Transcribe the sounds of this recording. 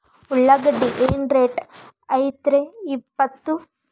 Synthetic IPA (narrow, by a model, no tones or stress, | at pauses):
uɭːaɡɐɖːiʔeːnɾeːʈ | ɐjt̪ɾeipːɐt̪ːu